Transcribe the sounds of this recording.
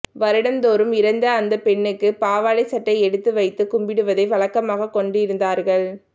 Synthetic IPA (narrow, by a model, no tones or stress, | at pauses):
ʋɐɾɪɽɐnd̪oːɾɯmɪɾɐnd̪ɐːnd̪ɐpɛɳːɯkːɯpaːʋaːlɐɪsɐʈːɐɪɛɽɯt̪ːɯʋɐɪt̪ːɯkʊmbɪɽɯʋɐðɐɪʋɐɭɐkːɐmaːɣɐkːɔɳɖɯɪɾɯnd̪aːɾɣɐɭ